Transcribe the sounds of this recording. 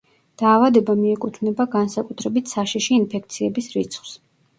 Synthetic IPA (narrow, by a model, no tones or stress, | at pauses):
d̪̥aːvad̪ɛbamiɛkʼut̪ʰvnɛbaɡansakʼut̪ʰɾɛbit̪ʰsaʃiʃiːnpʰɛkʰt̪sʰiɛbisɾit̪sʰχw̥s